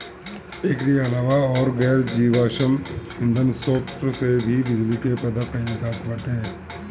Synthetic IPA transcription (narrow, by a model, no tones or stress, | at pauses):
eːkɾiɐlaːʋaɔːɾɡɛːɾd͡ʒiːʋaːʃəmɦɪ̃nd̪ənsoːft̪ɾsebʱibɪd͡ʒlikepɛd̪akəẽd͡ʒaːt̪bɐʈ̪eɦɛ̃ː